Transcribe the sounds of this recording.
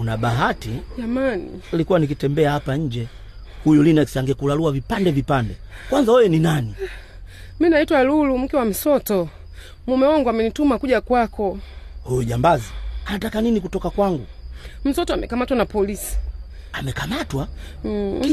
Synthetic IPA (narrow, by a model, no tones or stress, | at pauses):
unaɓaɦatid͡ʒamanḭlikuwanik̬itɛmbɛahapaɲ̩d͡ʒɛ | hujulinɛksiaŋɡɛkulaluavipandɛvipandɛkwanzawɛjɛninani | minaitwalulum̩kɛwam̩sɔtɔ | mumɛwɔŋɡwamɛnitumakuʄakwakɔhujɔʄambazianatakaninikutɔkakwaŋɡum̩sɔtɔamɛkamatwanapɔlisi̥ | amɛkamatwa